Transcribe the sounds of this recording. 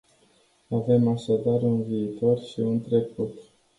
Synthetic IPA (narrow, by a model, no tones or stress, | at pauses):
ave̞maʃad̪arunviːt̪o̞rʃiunt̪ɾe̞kut̪